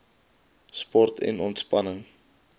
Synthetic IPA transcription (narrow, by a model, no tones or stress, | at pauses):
spɔrtʰɛ̰nɔntspɐnəŋ